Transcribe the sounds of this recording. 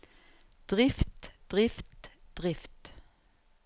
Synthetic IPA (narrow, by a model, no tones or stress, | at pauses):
d̪̥ʁɪft̪d̪̥ʁɪft̪d̪̥ʁɪft̪